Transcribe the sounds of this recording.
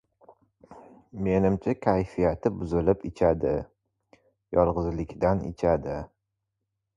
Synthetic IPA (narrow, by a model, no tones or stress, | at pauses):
me̞nɪmt͡ʃʰakʲʰajfijat̪ʰɪbʊzɪlɪpɪt͡ʃʰad̪ɪ | jɒlˠʁɨzlɪkʲd̪anḛt͡ʃʰad̪ɪ